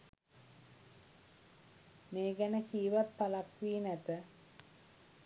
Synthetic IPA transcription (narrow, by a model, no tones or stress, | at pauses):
meːɡænəkiːʋat̪̚palapʋiːnæt̪ə